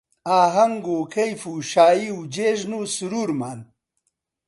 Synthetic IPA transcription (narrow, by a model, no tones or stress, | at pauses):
aːɦɐŋɡoːkʰɐjfuʃaːiud͡ʑeːʑnusuɾuːɾmaːn